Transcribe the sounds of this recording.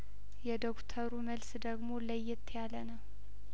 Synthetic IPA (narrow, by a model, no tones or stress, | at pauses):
jɛd̪okt̪ʰəɾuməlsd̪əɡmoləjːɪt̪ʰːjalənəw